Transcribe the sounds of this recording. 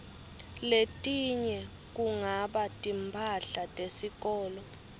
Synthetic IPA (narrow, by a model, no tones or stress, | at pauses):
letʼiɲɛ | k̬ʼuŋaɓatʼimpʰaɬatʼesik̬ʼɔːlɔ